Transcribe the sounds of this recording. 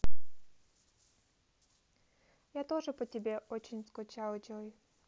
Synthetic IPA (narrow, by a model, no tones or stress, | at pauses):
jat̪oʐɨpətʲɪbʲeʔot͡ɕɪnʲskʊt͡ɕalˠd͡ʑoj